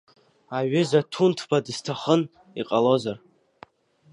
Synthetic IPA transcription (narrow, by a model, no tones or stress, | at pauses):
aɥʏzatʰuntʰbadɨstʰaχən | iqʼalo̞zar